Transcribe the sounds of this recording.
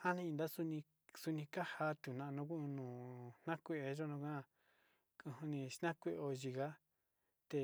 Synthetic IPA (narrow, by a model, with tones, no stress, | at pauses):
ha˦nĩ˦˧ĩ˧nd̪a˦su˧nĩ˧ | su˧nĩ˧ka˦ha˧t̪u˨nã˧nũ˦kʷu˦˧nũː˨nã˦kʷe˧e˧ʒo˦nũ˧kã˦˧ | kũ˧hũ˧nĩ˧ʃnã˦kʷe˦˧o˧ʒi˧ɣa˦ | t̪e˧˨